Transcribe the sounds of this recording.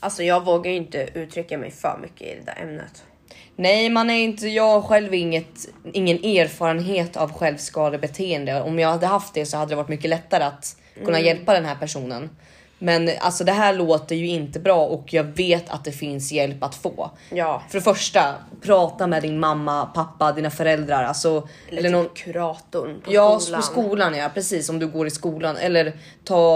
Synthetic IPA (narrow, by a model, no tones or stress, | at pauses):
ʔalsɔjɑːɡvoːɡajɪnt̪əʉ̟ːt̪ʰɾʏkːamɛ̰jfœ̰ːɾmʏ̰kːə̰ɪ̰d̪ɛ̰d̪æ̰ːɾʔɛ̰mnə̰t̪ | nɛjmanæɾɪnt̪əjɑːɡɧɛlvɪŋːət̪ɪŋːəneːɾfɑːɾənɦeːt̪ʰa̰vɧɛlvskɑːd̪əbɛt̪ʰeːənd̪əɔmjɑːɡhad̪ːəɦaft̪̚d̪ɛsɔhad̪əd̪ɾɛvaʈːmʏkːəlɛt̪ːaɾəat̪ | kʰɵnːajɛlpad̪ɛnɦæːɾpæʂuːnən | mɛna̰lsɔd̪ɛɦæːɭoːt̪əɾjɵɪnt̪əbɾɑːʔɔkʰjɑːɡveːt̪ʰa̰t̪̚d̪ɛfɪnsjɛlpːat̪fo̰ː | fœɾɛfœʂʈapʰɾɑːt̪amɛd̪ɪnmamːapʰapːad̪iːnafœɾɛld̪ɾaɾa̰lsɔ | ɛlːəɳɔnkʰɾɑːt̪ʊjɑːpɔskuːlanjapʰɾɛsiːsɔmd̪ɵɡoːɾɪskuːlanʔɛ̰lːəɾ | t̪ʰɑː